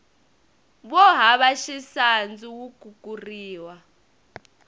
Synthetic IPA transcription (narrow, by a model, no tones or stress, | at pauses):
ɓɔɦaɓaʃisand͡zuwuɡ̥ʱuk̬ʼuriːwa